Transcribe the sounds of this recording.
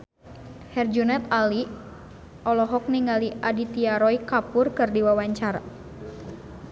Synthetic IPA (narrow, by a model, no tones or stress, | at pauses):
hɛrd͡ʒunɛt̪ali | ʔɔlɔɦɔk̚niŋaliʔadit̪iaɾɔikapʊrkɨrdiwawaɲt͡ʃaɾa̰